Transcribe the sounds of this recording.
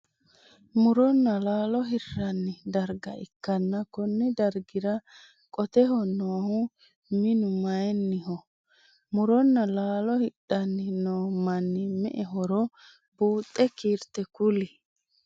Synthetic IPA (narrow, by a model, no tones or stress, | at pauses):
mʊɾɔnːɐlaːlɔɦɪrːɐnːɪd̪ɐɾɡɐɪkːɐnːɐkɔnːɪd̪ɐɾɡɪɾɐ | kʼɔt̪ɛɦɔnoːhʊ | mɪnʊmɐjɛnːɪɦɔ | mʊɾɔnːɐlaːlɔhɪɗːɐnːɪnoːmɐnːɪmɛ̰ʔɛɦɔɾɔ | buːt̪ʼːɛkiːɾt̪ɛkʊlɪ